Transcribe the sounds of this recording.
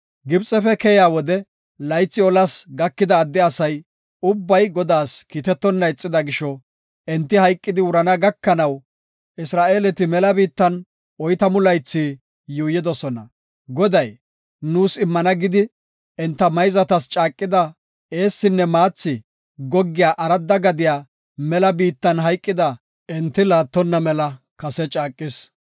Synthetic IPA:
ɡɪbt͡sʼɛfɛkɛjaːwɔd̪ɛ | lɐjt͡sːɪɔlɐsɡɐkːɪd̪ɐːd̪ːɛɐsɐj | ʊbːɐjɡɔd̪aːskiːt̪ɛt̪ːɔnːɐɪt͡sʼːɪd̪ɐɡɪʃɔ | ɛnt̪ːɪhɐjkʼːɪd̪ɪwʊɾɐnɐɡɐkːɐnɐw | ʔɪsɾaːʔe̞ːlɛt̪ɪmɛlɐbiːt̪ːɐn | ɔjt̪ɐmʊlɐjt͡sːi | juːjːɪd̪ɔsɔnɐ̰ | ɡɔd̪ɐj | nuːsɪmːɐnɐɡɪd̪ɪ | ɛnt̪ːɐmɐjzɐt̪ɐst͡ʃʼaːkʼːɪd̪ɐ | eːsːɪnːɛmaːt͡sːɪ | ɡɔɡːɪjaːʔɐɾɐd̪ːɐɡɐd̪ɪjaː | mɛlɐbiːt̪ːɐnɦɐjkʼːɪd̪ɐ | ʔɛnt̪ːɪlaːt̪ːɔnːɐmɛlɐ | kɐsɛt͡ʃʼaːkʼːɪs

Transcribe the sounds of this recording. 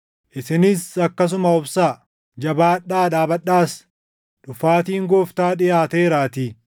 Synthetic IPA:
ʔɪsɪnɪsɐkːɐs̬ʊmɐʊbsaː | d͡ʒɐbaːᶑːaːᶑ̪aːbɐɗːaːs | ᶑʊfaːt̪iːŋɡoːft̪aːᶑɪjaːt̪eːɾaːt̪iː

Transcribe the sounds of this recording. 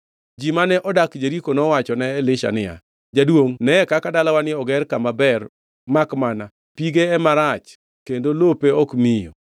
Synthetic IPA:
d͡ʒimanɛʔɔdakd͡ʒeɾikonɔwat͡ʃɔnɛːlɪʃa̰nɪa̰ | d͡ʒadwoŋnɛɛkakadalawanɪɔɡɛrkamabɛr | makmana | piɡeːmaɾat͡ʃ | kendolopeɔkmijo̰

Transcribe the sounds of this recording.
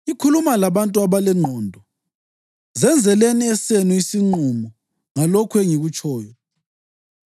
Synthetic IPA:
ikʰulumalaβantʼuaβalɛŋ͡ǃʱɔːndʱɔ | zɛnd͡zʱɛleniɛsenuisiŋ͡ǃumɔ | ŋalɔkʰweŋiɣut͡ʃʰʼɔːjɔ

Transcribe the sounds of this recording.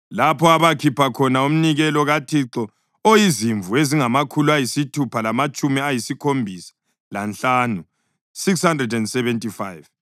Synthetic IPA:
lapʰɔaβakʰipʰakʰɔnaum̩niɣɛlɔɣatʰiǁɔ | ojiziɱvueziŋamakʰuluajisitʰupʰalamat͡ʃʼumiajisikʰombʱisḁ | lanɬaːnu | sikshandrɛdɛndsɛβɛntʼifajv

